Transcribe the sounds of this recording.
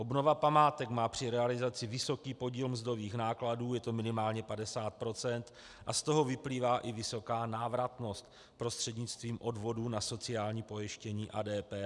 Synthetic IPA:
ʔobno̞vapamaːt̪ɛkmaːpr̝̥ɪɾɛalɪzat͡sɪvɪso̞kiːpo̞ɟiːlmzdo̞viːxnaːkladuːjɛt̪o̞mɪnɪmaːlɲɛpadɛsaːt̪̚pɾo̞t͡sɛnt̪ | ʔa̰st̪o̞ɦo̞vɪpliːvaːʔɪvɪso̞kaːnaːvɾat̪no̞st̪ | pɾo̞st̪r̥ɛdɲɪt͡st̪viːmʔo̞dvo̞duːnaso̞t͡sɪaːlɲiːpo̞jɪʃcɛɲiːʔaːdɛːpɛː

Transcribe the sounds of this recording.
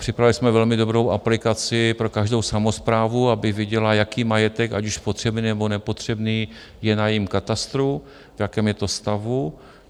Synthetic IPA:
pr̥ɪpɾavɪlɪsmɛvɛlmɪdo̞bɾo̞wʔa̰plɪkat͡sɪpɾo̞kaʒdo̞wsamo̞spɾaːvuabɪvjɪɟɛlajakiːmajɛt̪ɛkacuʃpot̪r̝̥ɛbniːnɛbo̞nɛpo̞t̪r̥ɛbniː | jɛnajɪmkat̪ast̪ɾu | vjakɛːmjɛt̪ost̪avu

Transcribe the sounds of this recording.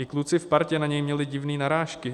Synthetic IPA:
ɪklut͡sɪfpaɾcɛnaɲɛjmɲɛlɪɟɪvniːnaɾaːʃkɪ

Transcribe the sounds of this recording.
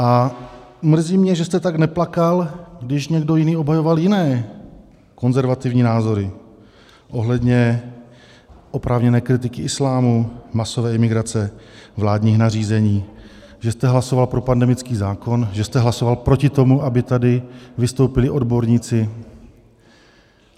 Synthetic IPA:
ʔa | mr̩ziːmɲɛʒɛst̪ɛt̪aɡnɛplakalɡdɪʃɲɛɡdo̞jɪniːo̞bɦajo̞valjɪnɛː | ko̞nzɛɾvat̪ɪvɲiːnaːzo̞ɾɪ | ʔo̞ɦlɛdɲɛ | ʔo̞pɾʔaːvɲɛnɛːkɾɪt̪̬ɪkɪʔɪslaːmumaso̞vɛːɪmɪɡɾat͡sɛvlaːdɲiːxnariːzɛɲiː | ʒɛst̪ɛɦlaso̞valpɾo̞pandɛmɪt͡skiːzaːko̞nʒɛst̪ɛɦlaso̞valpɾo̞cɪt̪o̞muʔabɪt̪adɪvɪst̪o̞wpɪlɪʔo̞dbo̞ɾɲit͡sɪ

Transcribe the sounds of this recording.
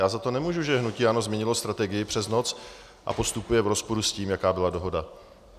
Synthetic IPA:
jaːzat̪o̞nɛmuːʒuʒɛɦnuciːano̞zmɲɛɲɪlo̞st̪ɾat̪ɛɡɪjɪpr̥ɛzno̞t͡s | ʔa̰po̞st̪upujɛvɾo̞spoɾusciːmjakaːbɪlado̞ɦo̞da

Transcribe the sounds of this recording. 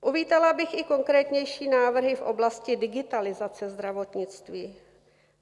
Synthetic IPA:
ʔuviːt̪alabɪxɪko̞ŋkɾɛːt̪ɲɛjʃiːnaːvr̩ɦɪfʔo̞̰blascɪdɪɡɪt̪alɪzat͡sɛzd̪ɾavot̪ɲɪt͡st̪viː

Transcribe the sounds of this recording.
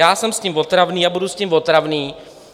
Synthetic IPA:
aːsɛmsciːmvot̪ɾavniːabudusciːmvot̪ɾavniː

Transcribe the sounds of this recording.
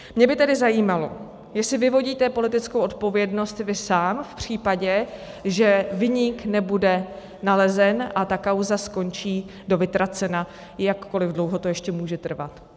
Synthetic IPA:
mɲɛbɪt̪ɛdɪzajiːmalo̞̰ | jɛsɪvɪvo̞ɟiːt̪ɛpo̞lɪt̪ɪt͡skowʔo̞t̪po̞vjɛdno̞st̪vɪsaːmfpr̝̥iːpaɟɛ | ʒɛvɪɲɪknɛbudɛ | nalɛzɛnʔat̪akawzasko̞nt͡ʃiːdo̞vɪt̪ɾat͡sɛna | jakːo̞lɪvdlo̞wɦo̞t̪ojɛʃcɛmuːʒɛt̪r̩va̰t̪

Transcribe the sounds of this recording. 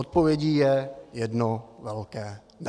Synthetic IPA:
ot̪̚povjɛɟiːjɛjɛdnovɛlkɛː | n

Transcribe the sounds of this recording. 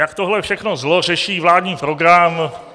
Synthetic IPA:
jakt̪oɦlɛfʃɛxnozlorɛʃiːvlaːdɲiːpɾoɡɾam

